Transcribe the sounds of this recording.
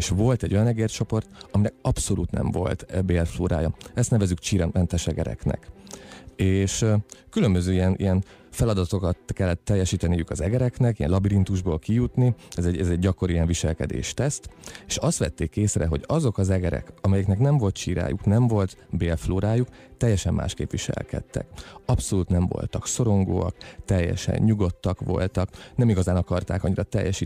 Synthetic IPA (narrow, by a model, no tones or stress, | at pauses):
eʃʋo̞lt̪ɛɟːo̞jɒnɛɡeːrt͡ʃo̞po̞rt̪ɒminɛkɒpso̞lṵːt̪nɛ̰ɱvo̞̰lt̪beːlfloːɾa̰ːjɒɛst̪nɛvɛzykt͡ʃiːɾɛnt̪ɛʃɛɡɛ̰ɾɛ̰knɛ̰k | eːʃkylø̞mbøzøːijɛnʔḭjɛn | fɛlɒd̪ɒt̪o̞kɒt̪kɛlːɛt̪ːɛjːɛʃiːt̪ɛnijykɒzɛɡɛɾɛknɛkijɛnlɒbiɾint̪uʒboːlkijut̪niɛzɛɟɛzɛɟɟɒko̞ɾijɛɱviʃɛlkɛ̰d̪ḛːʃt̪ɛst̪eːʃɒst̪ʋɛ̰t̪ːeːkːeːsrɛɦo̞̰ɟɒzo̞kɒzɛɡɛɾɛ̰kɒmɛjɛknɛknɛɱvo̞lt̪ʃiːɾa̰ːjuknɛɱvo̞lt̪beːlfloːɾaːjuk | t̪ɛjːɛʃɛmːa̰ːʃkeːpʋiʃɛ̰lkɛ̰t̪ːɛ̰kɒpso̞luːt̪nɛɱvo̞̰lt̪ɒkso̞ɾo̞ŋɡo̰ːɒ̰kt̪ɛjːɛ̰ʃɛ̰ɲɲuɡo̞t̪ːɒkʋo̞̰lt̪ɒknɛmiɡɒzaːnɒkɒrt̪a̰ːkɒɲːiɾʔɒt̪ɛ̰jːɛʃiː